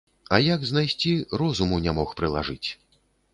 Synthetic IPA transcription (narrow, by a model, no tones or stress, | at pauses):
ɐjaɡznajsʲt͡sʲirɔzumunʲɛmɔxpɾɨlˠa̰ʐɨt͡sʲ